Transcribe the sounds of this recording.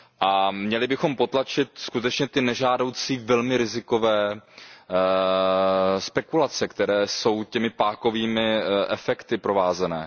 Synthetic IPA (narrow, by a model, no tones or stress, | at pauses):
ʔamɲɛlɪbɪxo̞mpo̞t̪lat͡ʃɪt̪skut̪ɛt͡ʃɲɛt̪ɪnɛʒaːdo̞wt͡siːvɛlmɪɾɪzɪko̞vɛː | spɛkulat͡sɛkt̪ɛɾɛːso̞wcɛmɪpaːko̞viːmɪʔɛfɛkt̪ɪpɾo̞vaːzɛnɛ̰ː